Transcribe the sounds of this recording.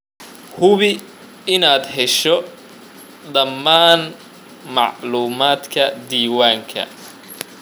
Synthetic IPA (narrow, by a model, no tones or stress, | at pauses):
hʊβɪ | ɪnaːd̪ɦɛʃɔ | d̪ɐmːaːn | mɑʕluːmaːd̪kʰɐd̪iːwaːŋkʰɐ̰